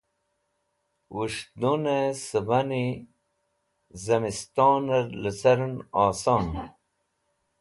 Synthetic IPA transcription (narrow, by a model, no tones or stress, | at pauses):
wuʂd̪unesəbɐni | zɐmist̪oːnɐɾləsɐɾnaːsaːn